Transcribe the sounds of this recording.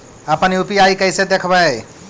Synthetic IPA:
əpəniupiaikəɪsed̪ekʰba

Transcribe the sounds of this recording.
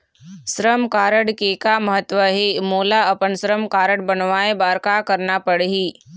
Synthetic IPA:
sɾəmkaːɾəɽkeːkaməɦət̪ʋəɦemoːlaɐpənsɾəmkaːɾəɽbənʋaːẽbaːɾkakəɾnapəɽɦiː

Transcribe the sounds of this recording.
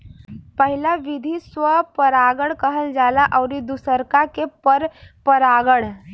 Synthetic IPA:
pəɦilaʋid̪ʱisʋəpəɾaːɡəɽkəɦəld͡ʒaːlaʔəʊɾid̪usəɾkakepəɾpəɾaːɡəɽ

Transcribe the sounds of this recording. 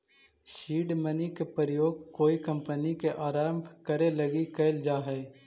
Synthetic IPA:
ʃiːɖmənikepəɾəjoːɡkoːikɐ̃mpənikeʔaːɾaːmkəɾelɐɡikɐɪld͡ʒaːɦɛː

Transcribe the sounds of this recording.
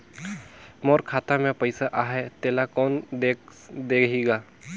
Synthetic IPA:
mɔːɾkʰaːt̪amẽpəɪsaʔaːɦɛt̪eːlakɔːnd̪ed̪eːkiɡaː

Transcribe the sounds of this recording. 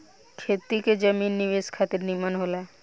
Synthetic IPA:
kʰet̪iked͡ʒəminːiʋeskʰat̪iɾnimənɦola

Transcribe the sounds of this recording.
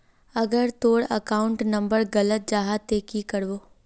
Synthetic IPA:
ɐɡəɾt̪oːɽə̰kaːʊ̃ɳʈnɐ̃mbəɾɡɐlət̪̚d͡ʒaːɦat̪eːkikəɾʋoː

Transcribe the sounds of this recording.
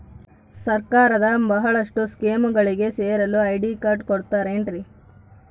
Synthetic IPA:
sɐɾkaːɾɐd̪ɐbɐɦɐɭɐʂʈuskeːmuɡɐɭiɡe̞seːɾɐluɐjɖikɐɾʈkoɽt̪aːɾeɳʈɾi

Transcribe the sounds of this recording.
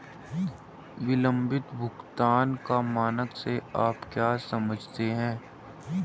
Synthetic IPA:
ʋɪlə̃mbʱɪt̪bʱʊkt̪aːnkamaːnəkseaːpkjaːsɐməd͡ʒʱt̪eɦɛ̃ː

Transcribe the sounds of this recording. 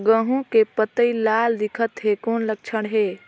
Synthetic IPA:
ɡə̃ɦõkepət̪əilaːld̪ɪkʰət̪ɦekoːnlək̚t͡ʃʰəɽ̃ɦeː

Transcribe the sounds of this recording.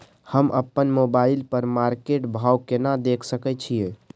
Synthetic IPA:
həmʔəpːənmobailpəɾmaɾkeʈbʱawkenad̪ekʰsəkɛt͡ʃʰijẽ

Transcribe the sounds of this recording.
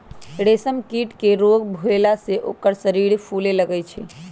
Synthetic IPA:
ɽesəmkiʈkeɾoɡbʱuelaseʔo̰kəɾsəɾiɾpʰuleləɡɛt͡ʃʰḭ

